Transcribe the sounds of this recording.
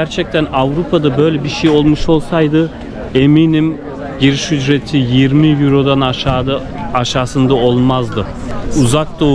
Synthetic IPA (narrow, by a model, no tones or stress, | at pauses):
æɾt͡ʃʰɛc̚t̪ʰænavɾupʰad̪abø̞jlʲɛbiʃejo̞lˠmuʃo̞lˠsajd̪ɯ | eminim | ɟiɾiʃyd͡ʒɾet̪ʰijiɾmijiɾo̞d̪anaad̪ | aʃaːsɯnd̪ao̞lˠmazd̪ɯ | uzak̚d̪o